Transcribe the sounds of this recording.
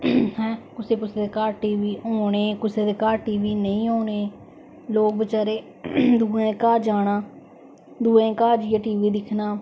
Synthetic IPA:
hɛ̃ːkʊseːkʊseːd̪eːkaːʈiːʋiːoːɳeːkʊseːd̪eːkaːʈiːʋiːnəĩːɦoːɳeː | loːk̚bɪt͡ʃaːɾeː | d̪uːẽkaːd͡ʒaːɽaː | d̪uːẽkaːd͡ʒijaːʈiːʋiːd̪ɪkʰnaː

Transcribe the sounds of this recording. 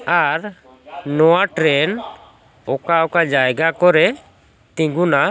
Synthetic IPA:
aɾ | nɔwaʈɾɛn | ɔkaɔkad͡ʒajɡakɔɾɛ | t̪ĩŋɡuna

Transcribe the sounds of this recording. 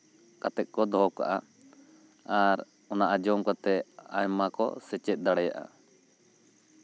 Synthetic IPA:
kat̪ɛʔ̪̚ˀkɔd̪ɔka̰ʔa | aɾ | ɔnaʔad͡ʒɔmkɔt̪ɛa̰jmakɔ̰sɛt͡ʃɛt̪̚ˀd̪aɽɛja̰ʔa̰

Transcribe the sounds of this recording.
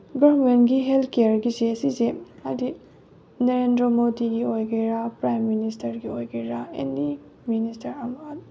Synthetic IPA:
ɡɔmentɡiɦeltʰkejaɾɡisesizehadi | nɐɾendɾomodiɡiojkʰɐjɾapɾajmːinistɐɾɡiojkʰɐjɾaḛndi | ministɐɾɐmɐ

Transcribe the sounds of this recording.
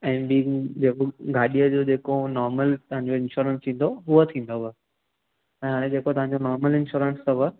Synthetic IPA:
ɛ̃ːbid͡ʑekɡaːɗijəd͡ʑoːd͡ʑeːkonɔːɾməlt̪ɐɦãɲd͡ʑoɪ̃nʃoːɾə̃nst̪ʰĩːn̆d̪oɦuət̪ʰĩːn̆d̪obə | ɛ̃ːɦaːɽ̃ẽd͡ʑeːkot̪ɐʋãɲd͡ʑonɔːɾməlɪ̃nʃuːɾə̃nst̪ɐbə

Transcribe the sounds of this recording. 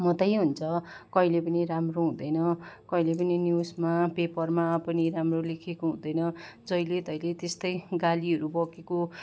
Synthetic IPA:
mʌt̪ʌjɦunt͡sʰʌkʌilepʌniɾamroɦũd̪ʌjnʌkʌilepʌninjusmapepʌrmapʌniɾamrolekʰekoɦũd̪ʌjnʌd͡zʌjlet̪ʌjlet̪est̪ʌjɡaliʌɾubʌkeko

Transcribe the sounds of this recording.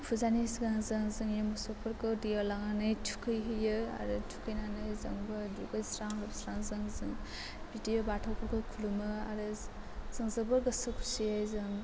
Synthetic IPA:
pʰuzanisɡaŋzɯzɯŋjemɔsɔpʰɯɾkɯwdijalaŋanɯjtʰu̥kʰɯjɦɯjɯa̰ɾɯtʰu̥kʰɯjnanɯjzɯŋbɯduɡajsɾaŋɾɯbsɾaŋzɯŋzɯŋ | bidijabatʰawpʰɔkʰajkʰulumɯa̰ɾɯ | z̥ɯŋzɯbɯɾɡɐsɯkʰu̥sijajzɯŋ

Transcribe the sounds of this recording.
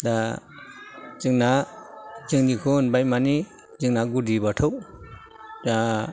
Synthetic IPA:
da | zɯŋna | zɯŋnikʰunbajmani | zɯŋnaɡudibatʰɔw | da

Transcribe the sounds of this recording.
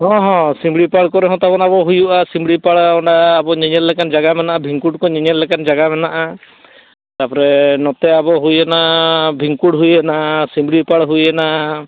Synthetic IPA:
ɦɔ̃ɦɔ̃simbɽipaɽkɔɾɛɦɔ̃t̪abɔnabɔɦujuʔasimbɽipaɽɔɳɖaːbɔɲiɲɛɾlɛkand͡ʒaɡamɛnaʔabʱiŋkuɽkɔɲiɲɛɾlɛkand͡ʒaɡamɛnaʔa | t̪aɾpɔɾɛnɔt̪ɛabɔɦujɛnabʱiŋkuɽɦujɛnasimbɽipaɽɦujɛna

